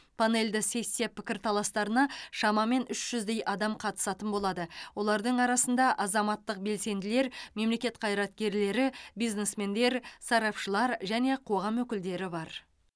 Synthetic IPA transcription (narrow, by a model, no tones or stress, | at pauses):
pʰane̞ld̪ɪse̞sjepɪkʲɪɾt̪ʰɑlˠɑst̪ɑɾənɑʃɑmɑme̞nʏʃʒ̥ʏzd̪e̞jʔɑd̪ɑmqʰɑt̪ə̥sɑt̪ənbo̞lˠɑd̪əwo̞lˠɑɾd̪əɴɑɾɑsənd̪ɑʔɑzɑmɑt̪ːəq̚be̞lse̞nd̪ɪle̞ɾme̞mle̞kʲe̞t̪qʰɑjɾɑt̪̚kʲe̞ɾle̞ɾɪbijznesme̞nd̪e̞ɾsɑɾɑpʃəlˠɑɾʒæne̞qʰo̞ʁɑmwɵkʲɪld̪e̞ɾɪbɑɾ